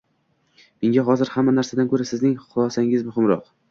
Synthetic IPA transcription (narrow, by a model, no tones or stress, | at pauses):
meŋɡʲaɦɒzɪɾhamːanaɾsad̪ankʰɵɾasɪznɪŋχʊlˠɒsaŋɪzmʊhɪmɾɒ̰q